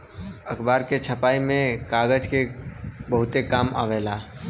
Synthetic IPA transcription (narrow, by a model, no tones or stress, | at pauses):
əkʰbaːɾket͡ʃʰəpaːimẽkaːɡəd͡ʒkebəɦʊt̪ekaːma̰ʋelaː